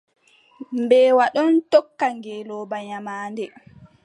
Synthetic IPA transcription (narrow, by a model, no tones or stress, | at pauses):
mbɛːwaɗɔntɔkːaŋɡɛlɔːbaɲamaːndɛ